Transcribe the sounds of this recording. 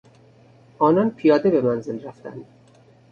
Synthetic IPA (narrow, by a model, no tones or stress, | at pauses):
ʔɒːnɒːnpʰijɒːd̪e̞be̞mænzelræft̪æ̰nd̪̥